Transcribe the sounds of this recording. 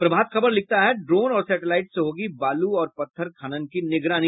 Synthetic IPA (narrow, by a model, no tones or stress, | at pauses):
pɾɐbʱaːt̪xɐbəɾlɪk̚t̪aɦɛɖɾoːnɔːɾsɛːʈɪlaːɪʈseɦoːɡibaːluɔːɾpɐt̪ʰːəɾkʰaːñənkinɪɡɾaːni